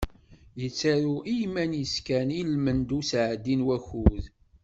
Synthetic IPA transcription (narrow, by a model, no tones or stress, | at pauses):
jət͡sːaɾuʔijmænjəskænilmənd̪usʕəd̪ːinwæçuð